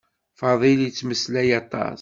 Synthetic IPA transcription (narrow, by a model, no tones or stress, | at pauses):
fɑðˤiljət͡sːməslæjɑt̪ˤɑ̰s